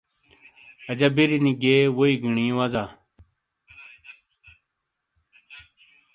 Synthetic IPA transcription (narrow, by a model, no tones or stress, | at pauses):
ɐd͡ʑabiɾiniɡeːwoiɡiɳĩwaza